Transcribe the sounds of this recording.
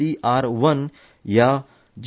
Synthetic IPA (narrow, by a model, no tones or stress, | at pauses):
iːʔaːɾʋən | jaː | d͡ʒ